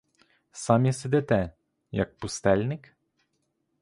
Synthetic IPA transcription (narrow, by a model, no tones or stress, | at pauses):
samjɛsɪd̪ɛt̪ɛ | jɐ̰k̚pʊst̪ɛlʲnɪk